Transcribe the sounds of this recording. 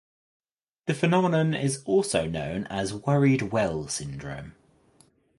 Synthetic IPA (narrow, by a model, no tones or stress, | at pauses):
ðəfənɒmɪnə̃nɪ̰zɔˑlˠsəʊnə̰̃ʊ̃nəzwʌɹɪdwɛlˠsɪ̃ndɹə̰̃ʊ̃m